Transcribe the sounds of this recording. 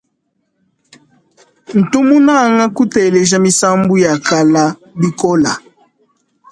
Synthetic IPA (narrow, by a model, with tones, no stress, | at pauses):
n̩˨tu˦mu˦na˦˨ŋa˦ku˦tɛ˨le˨ʒ̬a˦mi˦sa˦mbu˦ja˨ka˦la˦ | bi˦kɔ˦la˨